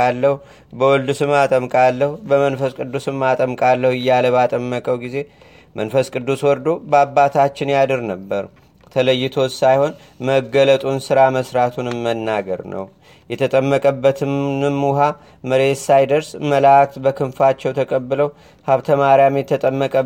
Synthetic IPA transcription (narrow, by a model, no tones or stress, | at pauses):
alːəhu | bəwɔld̪usɨmːat̪ʼəmkʼalːəhubəmənfəskʼɨd̪ːusɨmːat̪ʼəmkʼalːəhuɪjːaləβat̪ʼəmːəkʼəwɡize̞ | mənfəskʼɨd̪ːuswɔɾd̪obabːat̪ʰat͡ʃːɪnjad̪ɨɾnəbːəɾ | t̪ʰələjːɪt̪ʰo̞sajho̞n | məɡələt̪ʼunsɨɾaməsɾat̪ʰunmːənːaɡə̰ɾnə̰w | jɛt̪ʰət̪ʼəmːəkʼəbːət̪ʰɨmɨmːuɦa | məɾe̞t̪sajd̪əɾsməlakt̪bəkʰɨnfat͡ʃːɛwt̪ʰəkʼəbːɨləw | haβt̪ʰəmaɾjamjɛt̪ʰət̪ʼəmːəkʼə